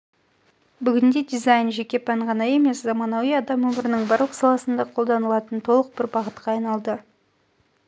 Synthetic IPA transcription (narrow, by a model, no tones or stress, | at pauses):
bʏɡʲɪnd̪e̞d̪ijzajnʒe̞kʲe̞pʰæɴʁɑnɑje̞me̞szɑmɑnɑwijɑd̪ɑmwɵmɪɾɪnɪŋbɑɾlˠəqsɑlˠɑsənd̪ɑqʰo̞lˠd̪ɑnəlˠɑt̪ənt̪ʰo̞lˠəq̚b̥ɪɾbɑʁət̪qɑːɑjnɑlˠd̪ə